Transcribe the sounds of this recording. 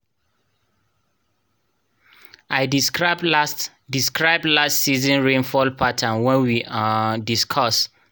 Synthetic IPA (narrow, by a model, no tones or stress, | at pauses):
ʔaɪjdisbs | diskɹaɪb̚dlastsizɔ̃nɹẽnfɔlpʰatʰãnwɛ̃nwiadiskʰɔs